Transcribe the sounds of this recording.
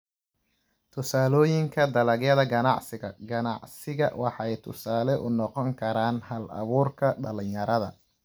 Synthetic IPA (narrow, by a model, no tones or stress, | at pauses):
t̪ʰʊsaːlɔːjɪŋkʰɐd̪ɐlɐɣjɐðɐɡɐnɑʕsɪɣɐɡɐnɑ̰ʕsɪɣɐ̰wʔɑħɑɛjt̪ʰʊ̰saːlɛʔʊnɔqɔŋkʰɐɾaːnhɐlɐ̰βuːrkʰɐɖɐlɪɲjɐɾɐðɐ